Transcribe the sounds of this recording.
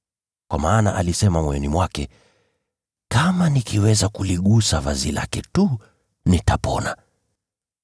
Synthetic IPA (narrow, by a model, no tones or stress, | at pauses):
kwʔamaːna̰ʔalisɛmamwɛɛnimwakɛ | kamanikʰiwɛzakuliɠusavazila̰kɛtu | nitapɔ̰na